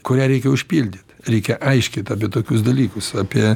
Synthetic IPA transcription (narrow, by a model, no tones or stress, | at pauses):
kʊɾʲæːɾʲɛɪkʲɛʊʃʲpʲilʲd̪ʲit̪ɾʲɛɪkʲɛʔɐɪʃʲkʲɪt̪ɐːpʲiɛt̪oːkʲʊsd̪ɐlʲiːkʊsɑːpʲiɛ